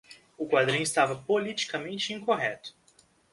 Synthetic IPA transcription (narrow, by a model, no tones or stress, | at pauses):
ʊkwad̪ɾĩɲ̃ist̪avɐpolit͡ʃi̥kɐmẽnt͡ʃɪĩkoɦɛt̪ʊ̥